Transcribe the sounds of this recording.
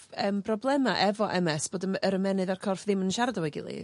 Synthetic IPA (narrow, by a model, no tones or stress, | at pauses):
əːmb̥rɔblˠɛmaʔɛvɔʔɛmɛsb̥oːdəəɾəmɛnɨðarkʰɔrfðɪmənʃardɔwɛɡɪ̰lˠḭ